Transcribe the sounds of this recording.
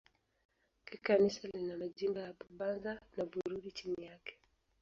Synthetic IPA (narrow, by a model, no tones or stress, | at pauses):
kikanisalinamad͡ʒʄimbɔjaɓaɓanzanaɓuɾuɗit͡ʃimijakɛ̥